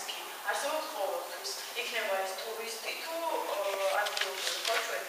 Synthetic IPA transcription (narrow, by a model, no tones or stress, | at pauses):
kʼi | aɾsɛbɔpsqʼɔvɛlˠt̪ʰwis | ikʰnɛbaɛst̪ʰuɾist̪ʼit̪ʰu | ad̪ɡilˠɔbiɾkat͡ʃʰwɛ